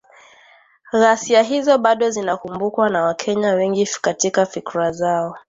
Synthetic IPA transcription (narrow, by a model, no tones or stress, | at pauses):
ɣasiaɦizɔɓaɗɔzinakumbukwanawakʰɛɲawɛŋɡikatikafikɾazaɔ